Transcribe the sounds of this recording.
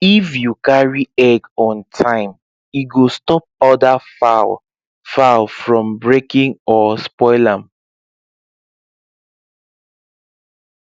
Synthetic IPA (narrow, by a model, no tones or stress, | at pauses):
ifjukaɹiɛɡɔ̃ntʰãɪ̃m | iɡostɔp̚ɔdafa | falfɹɔ̃mbɹekĩŋɔspɔɪlãm